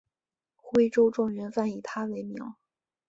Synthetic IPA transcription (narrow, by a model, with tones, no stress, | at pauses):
xwe˥ɪʈ͡ʂo˥ʊʈ͡ʂʊ˥˩ŋɥɛ˧˥nfa˥˩ni˨˩t̪ʰa˥le˧˥ɪmjɑ̰˧˥ʊ